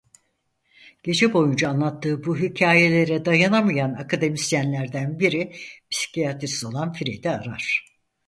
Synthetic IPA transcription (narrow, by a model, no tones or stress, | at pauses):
ɟ̥e̞d͡ʒɛbo̞jund͡ʒaːnlˠat̪ʰːɯːbuɦicʰaːje̞lʲe̞ɾɛd̪ajanamɯjanakʰad̪e̞mist̪jænlʲæɾd̪ænbiɾipsi̥cijat̪ɾisizo̞lˠanfiɾḛd̪ɛaɾa̰ɾ̥